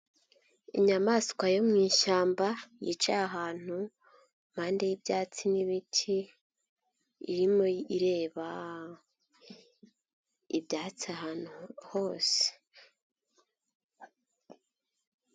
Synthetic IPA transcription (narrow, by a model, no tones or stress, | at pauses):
iɲamaːskwajo̞mŋiːʃaːmbajit͡ʃaːɦaːn̥u | m̥aːndejibjaːt͡siniβitʰi | ɾimo̞iɾe̞ːβa | ibjaːt͡siahaːnuho̞ːse̥